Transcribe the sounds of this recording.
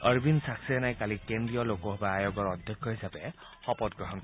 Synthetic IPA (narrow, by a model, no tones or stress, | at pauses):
əɹbinsaksiɛnajkalikendɹijɔlokɔɦbaajoɡɔɹɔdʱjɔkʰjɔɦisapɛ | xɔpɔtɡɹɔɦɔnk